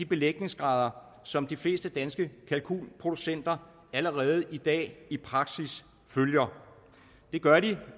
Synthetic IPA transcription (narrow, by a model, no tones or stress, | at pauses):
d̥ib̥e̝leɡ̥ne̝ŋsɡ̥ʁɑ̈ːð̞ˠɐ | sɒ̽md̥ifle̝̰ːsd̥əd̥ænsɡ̥əkʰælkʰṵlpʰʁo̝d̥usen̰d̥ɐ | æləʁɛːð̞̩ˠid̥ɛ̰ːipʰʁɑ̈ɡ̥sis | føljɐ | d̥e̝ɡ̥ɶɐɾi